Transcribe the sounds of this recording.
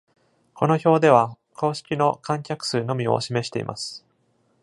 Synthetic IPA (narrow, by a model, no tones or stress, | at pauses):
ko̞no̞ço̞ːd̪e̞β̞a | kʰo̞ːɕi̥kʲino̞kãŋkʲakɯ̟̥sɨːno̞mʲio̞̰ɕime̞ɕi̥t̪e̞ḭmʔa̰sɨ̥